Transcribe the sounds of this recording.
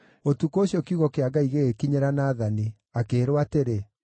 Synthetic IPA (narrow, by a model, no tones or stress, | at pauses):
otukoɕjɔkiuɣɔkeaɡaiɣekiɲeɾanaːðani | akeːɾowateɾe